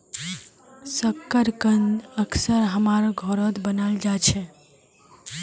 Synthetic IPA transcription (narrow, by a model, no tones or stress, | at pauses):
səkːəɾkənd̪əkʰsəɾɦəmaɾɡʱɔɾət̪bənald͡ʒat͡ʃʰɛ